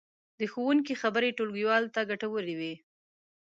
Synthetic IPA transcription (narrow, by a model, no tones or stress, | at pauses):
d̪əxowuŋkixabəɾeʈolɡiwɑlt̪aɡaʈawəɾiwi